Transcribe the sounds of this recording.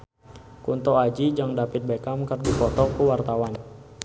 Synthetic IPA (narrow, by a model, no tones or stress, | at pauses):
kunt̪ɔad͡ʒid͡ʒaŋdapit̪̚bekamkərdipɔt̪ɔkuwart̪awan